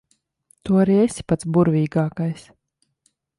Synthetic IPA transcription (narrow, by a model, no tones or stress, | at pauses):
t̪uɔaɾiesʲi̥pat̪sbuɾvʲiːɡaːkajs